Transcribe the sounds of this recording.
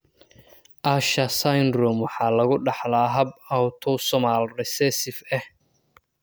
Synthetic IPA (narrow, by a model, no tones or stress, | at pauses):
ʔaʃɐsajnɾɔmwɑħɑːlɐɣʊɖɑħlaːɦɐbawt̪ʰɔsɔmalrɛsɛsɪfɛh